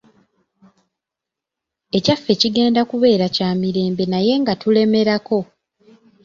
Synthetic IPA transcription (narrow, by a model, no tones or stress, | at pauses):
e̞cafːe̞ciɡe̞ːndakuβe̞ːɾacaːmiɾe̞ːmbe̞naje̞ŋɡatule̞me̞ɾako̞